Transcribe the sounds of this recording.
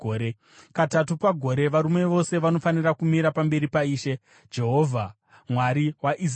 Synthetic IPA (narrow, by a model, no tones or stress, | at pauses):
e | katatupaɡʱo̞ɾe̞ʋaɾume̞ʋo̞se̞ʋano̞fanirakumiɾapambe̞ɾipaiːʃe̞ | d͡ʒe̞ɦo̞vʱa | mwaɾiwaʔis